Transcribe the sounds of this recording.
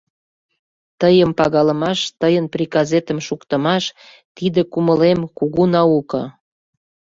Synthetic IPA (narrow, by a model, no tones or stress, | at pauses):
t̪əjəmpɑɣɑlə̆mɑʃt̪əjənpriɡɑzet̪əmʃukt̪ə̆mɑʃ | t̪id̪ekuməlemkuɣunɑukə̆